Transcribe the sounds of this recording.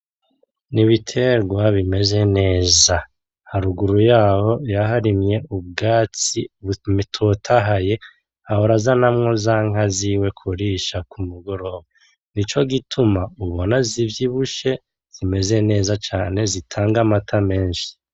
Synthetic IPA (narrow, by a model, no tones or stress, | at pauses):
niβitʰe̞ɾɡwaβime̞ze̞ne̞ːza | haɾuɡuɾujaːho̞jaɦaɾimɲe̞ʔub̚ɡaːt͡simitʰotʰaɦaje̞ | ahoɾazanamŋo̞zaŋ̥aziwe̞kʰuɾiʃakʰumuɡo̞ɾo̞ːβa | nit͡ʃo̞ɡitʰumauβonazivjiβuʃe̞ | z̥ime̞ze̞ne̞ːzat͡ʃaːne̞zitʰaːŋɡamatʰame̞ːnʃi̥